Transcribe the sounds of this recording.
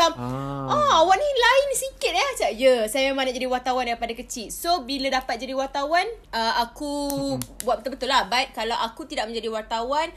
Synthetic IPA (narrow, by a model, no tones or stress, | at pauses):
amʔɔawaʔnilaɪnsikɪt̪̚jat͡ʃajəsajammãnad͡ʒadiwart̪awandaipadakət͡ʃɪt̪̚sobiladapat̪̚d͡ʒadiwart̪awanəaku | buat̪̚ət̪əbət̪ʊlːahbait̪̚kalawʔakut̪idaʔ̚mə̃ɲd͡ʒadiwart̪awan